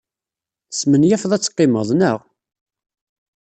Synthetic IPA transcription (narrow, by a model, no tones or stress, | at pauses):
smənjæfðˤæt͡sːqːɪməðˤnəʁ